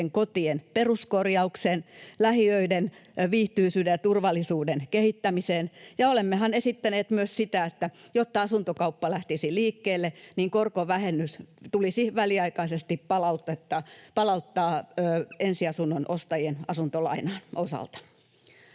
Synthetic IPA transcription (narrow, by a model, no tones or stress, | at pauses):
eŋkot̪ienperuskorjɑukseːnlæhiøidenʋiːht̪yisyːdejɑt̪urʋɑlːˑisuːdenkehit̪ːæmiseːnjɑolemːehɑnesit̪ːæneːt̪myøssit̪æet̪ːæ | jot̪ːɑɑsunt̪okɑupːɑlæht̪isiliːkːeːlːeniŋkorkoʋæhenːyst̪ulisihʋæliɑikɑisest̪ippɑlɑut̪ːɑt̪ːɑpɑlɑut̪ːɑːøːensiɑsunːonʔost̪ɑjienɑsunt̪olɑ̰inɑːnʔosɑ̰lt̪ɑ̥